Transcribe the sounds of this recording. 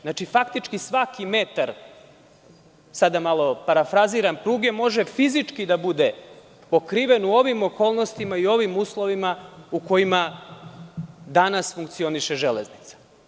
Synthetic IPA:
nat͡ʃifakt̪it͡ʃkisʋakime̞t̪aɾ | sad̪amalˠo̞paɾafɾaziɾampɾuːɡemo̞ʒe̞fizit͡ʂkid̪abud̪e̞ | po̞kɾiʋe̞nuo̞ʋimo̞ko̞ːlˠno̞st̪imaio̞ʋimuːslˠo̞ʋimauko̞ima | d̪anasfuŋkt̪sio̞niʃeʒelḛznit̪sḁ

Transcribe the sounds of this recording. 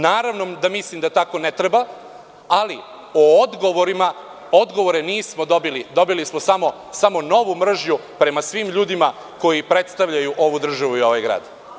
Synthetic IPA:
naːɾaʋno̞d̪amislimd̪at̪ako̞net̪ɾeba | ali | ood̪ɡo̞ʋo̞ɾima | od̪ɡo̞ʋo̞ɾeniːsmo̞d̪obilid̪o̞bilismosamo̞ | samo̞no̞ʋumr̩ʒɲupɾe̞masʋiːmʎuːd̪ima | ko̞jipɾe̞t̪st̪aʋʎajuʔo̞ʋud̪r̩ʒaʋuio̞ʋajɡɾa̰ːd̪

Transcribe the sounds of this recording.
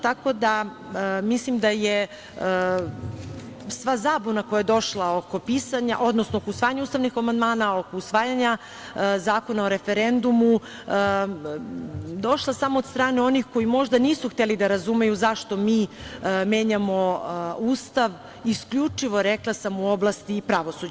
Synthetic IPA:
t̪ako̞d̪a | mislimd̪aje | sʋazaːbonakojajed̪o̞ʃlˠaoko̞piːsaɲa̰ʔo̞d̪nosnookousʋaːjaɲaust̪aʋnixamand̪maːnao̞ko̞usʋaːjaɲa | zaːko̞naoɾe̞feɾend̪umu | d̪o̞ʃlˠasamoːd̪st̪ɾaːneo̞nixko̞jimo̞ʒd̪aniːsuxt̪elid̪aɾazume̞juzaʃt̪o̞miːme̞ːɲamo̞uːst̪aʋ | iskʎut͡ʂiʋo̞ɾeklˠasamuo̞blˠast̪ipɾaʋosud͡ʑ

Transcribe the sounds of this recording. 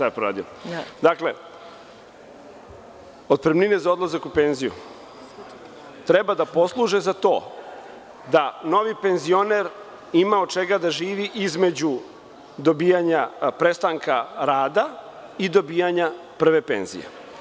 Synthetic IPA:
ʃt̪ajepɾoɾa̰ːd̪iod̪akle̞ | o̞t̪̚pɾemnine̞zaod̪lˠazakupenzijṵ | t̪ɾebad̪apo̞slˠuʒezat̪o̞̰ː | d̪ano̞ʋipe̞nzio̞neɾ | imaod̪̚t͡ʃeɡad̪aʒiːʋiʔizme̞d͡ʑu | d̪o̞biːjaɲapɾe̞st̪aŋkʰaɾaːd̪a | id̪o̞biːjaɲa | pr̩ʋe̞pe̞̰nzḭjḛ

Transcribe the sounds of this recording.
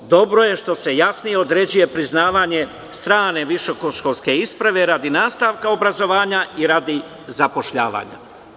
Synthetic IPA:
d̪o̞bɾo̞je̞ʃt̪o̞se̞jasnijeo̞d̪ɾe̞d͡ʑuje̞pɾiznaːʋaɲe̞ | st̪ɾaːne̞ʋiʃokoʃkolske̞ispɾaʋe̞ɾad̪inaːst̪aːʋkao̞bɾazo̞ʋaːɲaiɾad̪i | zapo̞ʃʎa̰ːʋa̰ːɲa̰

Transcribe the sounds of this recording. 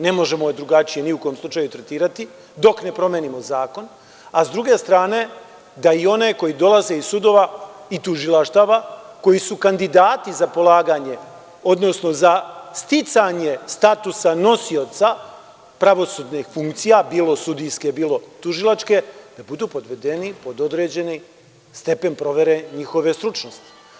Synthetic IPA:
ne̞mo̞ʒe̞mod̪ɾuɡat͡ʃije̞niuko̞jomslˠut͡ʃajut̪ɾet̪iːɾat̪i | d̪o̞kne̞pɾo̞mjenimo̞zaːko̞n | azd̪ɾuɡe̞st̪ɾaːne̞ | d̪aio̞ne̞ko̞jid̪o̞lˠaze̞isud̪o̞ʋait̪uʒilˠaʃt̪aʋako̞jisukand̪id̪aːt̪izapo̞lˠaːɡaɲe̞ | o̞d̪no̞sno̞zast̪it̪saɲe̞st̪at̪usano̞sio̞t̪sa | pɾaʋo̞sud̪nixfuŋkt̪sijabiːlo̞sud̪ijskebiːlo̞t̪uʒilˠat͡ʃke̞d̪̥abud̪uːpo̞d̪ʋe̞d̪e̞nipo̞d̪od̪ɾed͡ʑe̞ni | st̪e̞pe̞npɾo̞ʋe̞ɾe̞ɲixo̞ʋe̞st̪ɾut͡ʃnost̪i̥

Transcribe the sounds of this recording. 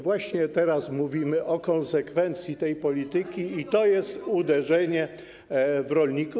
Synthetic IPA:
vwaɕɲɛt̪ɛɾasmuvʲimɘʔɔkɔ̃nsɛkfɛnt̪sʲjit̪ɛjpɔlʲit̪ɘkʲiit̪ɔjɛst̪ud̪ɛʐɛɲɛ | vɾɔlɲiku

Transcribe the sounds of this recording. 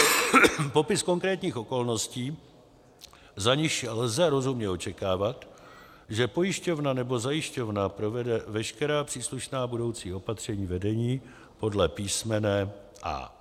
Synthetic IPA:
po̞pɪsko̞ŋkɾɛːt̪ɲiːxo̞ko̞lno̞sciː | zaɲɪʃlzɛɾo̞zumɲɛot͡ʃɛkaːvat̪ | ʒɛpo̞jɪʃco̞vnanɛbo̞zajɪʃco̞vnapɾo̞vɛdɛvɛʃkɛɾaːpr̝̥iːsluʃnaːbudo̞wt͡siːo̞pat̪r̝̥ɛɲiːvɛdɛɲiː | po̞dlɛpiːsmɛnɛː | ʔa̰

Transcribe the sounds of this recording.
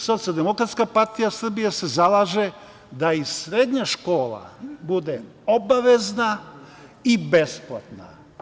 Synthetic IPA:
so̞t̪sijald̪emo̞kɾat̪skapaɾt̪ijasr̩bijese̞zalˠaːʒe | d̪aisɾed̪ɲaʃko̞ːla̰bud̪e | o̞baʋe̞zna | ibesplˠa̰t̪na̰

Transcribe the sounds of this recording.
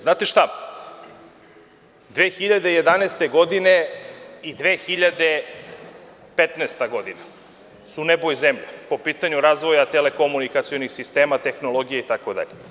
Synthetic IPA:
znaːt̪eʃt̪a | d̪ʋeːxiʎad̪e̞je̞d̪aneːst̪eɡo̞d̪ineid̪ʋeːxiʎad̪e | pet̪nest̪aɡo̞d̪ina | sunebojzemʎapo̞piːt̪aɲuɾaːzʋo̞jat̪ele̞ko̞munikat̪sijonixsist̪eːmat̪e̞xno̞lˠo̞ɡijeit̪akod̪a̰ʎe

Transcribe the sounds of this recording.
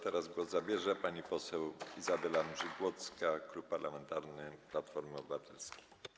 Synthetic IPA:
t̪ɛɾazɡwɔzzabʲjɛʐɛpaɲipɔsɛwizabɛlanʐɘɡwɔt̪skaklupːaɾlamɛnt̪aɾnɘplat̪fɔɾmɘɔbɘvat̪ʰɛlskʲej

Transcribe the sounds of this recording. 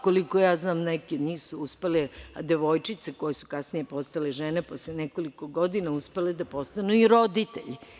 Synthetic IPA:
kolikojaːznaːmnekidniːsuuspeled̪eʋo̞jt͡ʃit̪sekojesu̥kasnijepo̞st̪aleʒeneposleeneko̞likoɡo̞d̪inauspeled̪apo̞st̪anuiɾo̞d̪it̪ḛʎi

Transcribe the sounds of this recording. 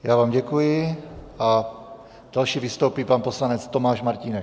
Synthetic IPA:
jaːvaːmɟɛkujɪʔa | d̥alʃiːvist̪owpiːpanposlanɛt͡st̪omaːʃmaɾcinɛk

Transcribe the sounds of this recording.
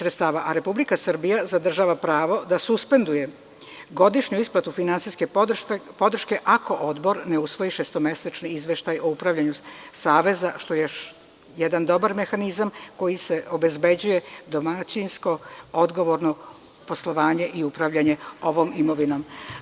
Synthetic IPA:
sɾet̪st̪aːʋaʔaɾe̞publikasr̩bijazad̪r̩ʒaʋapɾaːʋo̞d̪asuspe̞nd̪uje̞ | ɡo̞d̪iʃɲuisplˠat̪ufinansiske̞po̞d̪r̩ʃke̞ʔako̞ʔo̞d̪bo̞ɾne̞usʋo̞iʃest̪o̞me̞set͡ʃniizʋeʃt̪ajo̞upɾaʋʎʲaɲusaːʋe̞zaʃt̪o̞je | jed̪and̪o̞baɾme̞xanizamko̞jise̞obe̞zbe̞d͡ʑuje̞d̪o̞mat͡ɕinsko̞od̪ɡo̞ʋo̞ɾno | po̞slˠo̞ʋaːɲe̞ʔiupɾaʋʎaɲe̞o̞ʋo̞mimo̞ʋino̞m

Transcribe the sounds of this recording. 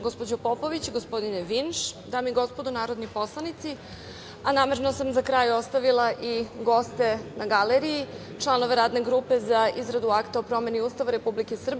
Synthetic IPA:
ɡospod͡ʑopopoʋit͡ɕɡospo̞d̪ineʋinʃd̪aːmiɡo̞spod̪onaːɾo̞d̪nipo̞slˠanit̪si | anaːme̞ɾnosamzakɾaːjost̪aʋilˠaʔiɡo̞st̪e̞naɡaleɾiji | t͡ʃlˠanoʋeɾaːd̪ne̞ɡɾuːpe̞zaizɾad̪uakt̪aopɾo̞me̞niuːst̪aʋaɾe̞publike̞sr̩b

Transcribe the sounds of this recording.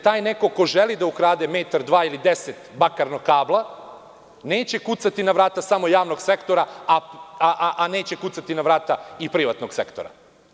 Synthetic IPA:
t̪aːjneko̞ko̞ʒelid̪aukɾaːd̪emeːt̪aɾd̪ʋaːilid̪eset̪bakaɾnokaːblˠa | neːt͡ɕe̞kut̪sat̪inaʋɾaːt̪asamo̞jaːʋno̞ɡsekt̪o̞ɾaaaʔaʔane̞ːt͡ɕe̞kut̪sat̪inaʋɾaːt̪aipɾiʋat̪noɡse̞̰kt̪o̰ɾa̰

